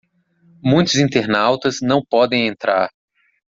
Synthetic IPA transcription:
mũj̃t̪ʊzĩnt̪eɾnawt̪ɐznɐ̃w̃pɔd̪ẽj̃ẽnt̪ɾa̰ɾ

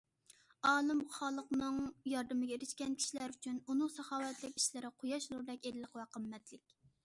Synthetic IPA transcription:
ɑːlˠɨmχɑlˠəqnɨŋjɑɾd̪ɨmɪɡʲɛeɾɪʃkʲɛnkʲʰi̥ʃilæɾyt͡ʃʰynunɨŋsɑχɑːwɛt̪lɪkʲi̥ʃlɪɾɪqʰojɑʃlˠuɾd̪ɛkʲelɪlːˠəqwɑqʰəmːɛt̪lɪkʲ

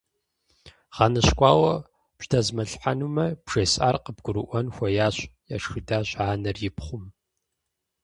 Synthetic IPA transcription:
ʁ̥ɑnɨɕkʷʼɑːwɐ | pʒdʰɐzmɐɬħanumɐbʐ̥ɐsʼa̰ːrqəb̚ɡʷʊɾɨʔʷɐnxʷɐjaːɕʷja̰ːʂxɨdaːɕʼʕaːnɐrjɪpχʷʊm

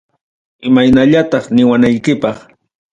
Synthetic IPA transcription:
ɪmajnaʎat̪ɑχnɪwanajkɪpɑχ

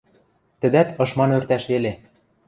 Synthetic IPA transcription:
t̪ɘ̆d̪æt̪ɤ̆ʃmɑnørt̪æʃβele

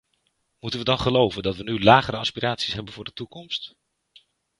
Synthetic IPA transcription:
mutənʋədɑnχəlowvəndɑtʋənylaːχəɾəɑspiraːtsi̥sɦɛbənvʊːɹdətukɔmst

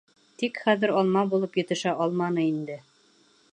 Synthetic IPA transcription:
t̪ikχæðɘɾɑlˠmɑbulˠɤpjɘ̆t̪ɘ̆ʃæʔɑlˠmɑnɤind̪ɘ

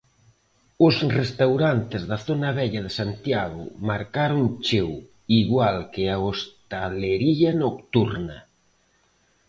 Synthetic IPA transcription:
ʊsrest̪awɾant̪ezðaθonaβ̞ɛʎaðesant̪jaɣʊ̰maɾkaɾoŋt͡ʃew | iɣwalkeaost̪aleɾiʎanokt̪uɾnɐ

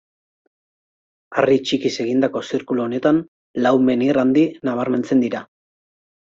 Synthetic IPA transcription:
arit͡ʃikise̞ɣ̞ind̪ako̞siɾkuloːne̞t̪an | lawme̞nirand̪inaβaɾme̞nt͡se̞nd̪iɾa

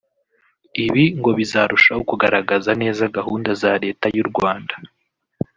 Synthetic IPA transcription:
iβiŋɡo̞βizaɾuʃaokuɡaɾaɡazane̞ːzaɡaɦuːndazaɾe̞ːtajuɾɡwaːndḁ

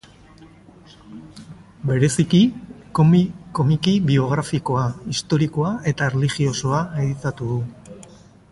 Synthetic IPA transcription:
be̞ɾe̞sikikko̞mikiβio̞ɣ̞ɾafiko̞aist̪o̞ɾiko̞ae̞t̪aerelixio̞so̞ae̞ðit̪at̪uðu

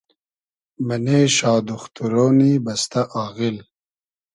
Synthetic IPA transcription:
maneːʃɑːd̪uxt̪uɾoːnibɐst̪aʔɑːɣil

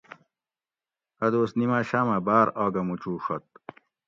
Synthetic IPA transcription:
ɐd̪oːsnimaːɕaːmɐbaːɾaːɡɐmut͡ɕuːʂɐt̪̚

